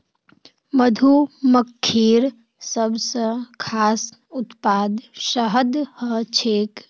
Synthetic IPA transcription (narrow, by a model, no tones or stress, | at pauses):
məd̪ʱuməkʰːiːɾ | səbsə̃kʰaːs | ʊt̪paːd̪ʃəɦəd̪hət͡ʃʰeːk